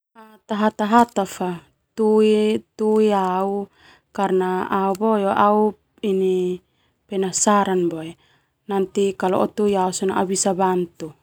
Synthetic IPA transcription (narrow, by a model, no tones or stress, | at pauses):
at̪aɦat̪aɦat̪afa | t̪uit̪uiau | karnaaubojoʔau | ini | pɛnasaɾanboɛ | nant̪ikalɔ̰ʔɔt̪uiausɔnaʔaubisabant̪u